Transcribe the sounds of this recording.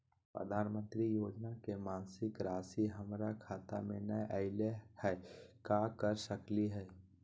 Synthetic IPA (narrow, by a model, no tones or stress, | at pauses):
pɾə̰d̪ʱaːnmə̃nt̪ɾijoːd͡ʒnakemaːnsɪkɾaːsiɦəmɾakʰaːt̪a̰mẽnəjʔəɪlehɛːkakəɾsəkliɦɛː